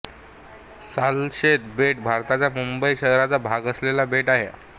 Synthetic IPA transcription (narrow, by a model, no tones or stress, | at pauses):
salɕet̪beʈbʱaɾt̪at͡ɕjamumbəiɕəɦɾat͡sabʱaɡəslelabeʈaɦḛ